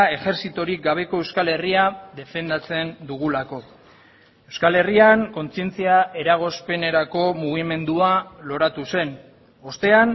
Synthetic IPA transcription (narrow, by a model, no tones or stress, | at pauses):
e̞xe̞ɾsit̪o̞ɾik̚ɡaβ̞e̞ko̞e̞wskale̞riaðe̞fe̞nd̪at͡se̞nd̪uɣ̞ulako̞ | e̞wskale̞riaŋko̞nt͡sie̞nt͡siae̞ɾaɣ̞o̞spe̞ne̞ɾako̞muɣ̞ime̞nd̪ualo̞ɾat̪use̞n | ost̪e̞an